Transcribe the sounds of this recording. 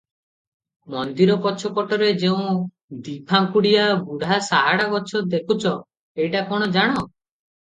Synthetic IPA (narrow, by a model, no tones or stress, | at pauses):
mɔnd̪iɾɔpɔt͡ʃʰɔkɔʈɔɾed͡ʒeũ | d̪ipʰaŋkuɽijabuɽ̤ʱasaɦaɽaɡɔt͡ʃʰɔd̪ekʰut͡ʃʰɔ | ejʈakɔɽ̃ɔd͡ʒaɽ̃ɔ